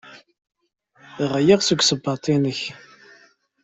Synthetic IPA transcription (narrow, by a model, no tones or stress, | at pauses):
ʁəjiʁsuɡʷsəbːɑt̪ˤinəç